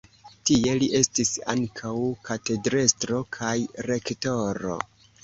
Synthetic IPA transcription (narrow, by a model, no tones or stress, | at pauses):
tie̞liʔe̞stisa̰ŋkʰawkʰate̞dɾestɾo̞kʰajɾe̞kto̞ɾo̞̰